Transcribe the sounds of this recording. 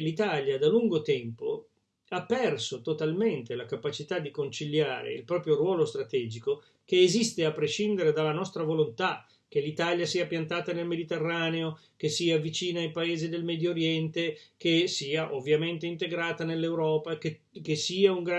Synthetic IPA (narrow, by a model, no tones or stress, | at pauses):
lit̪aljad̪aluŋɡot̪ɛmpo | apːɛrsot̪ot̪alment̪elakapat͡ʃit̪ad̪ːikont͡ʃilja̰ːɾḛḭlpɾɔːpɾjorwɔːlost̪ɾat̪ɛːd͡ʒiko | keːzist̪eapːɾeʃind̪eɾed̪alːanɔst̪ɾavolont̪a | k̟elit̪aljasiːapjant̪aːt̪anelmed̪it̪erːaːneo | k̟esiːavit͡ʃiːnaːjpaeːzid̪elmɛd̪joːɾjɛnt̪ekesiːaʔovːjament̪eint̪eɡɾaːt̪anelːewɾɔːpake | kesːiːauŋɡɾa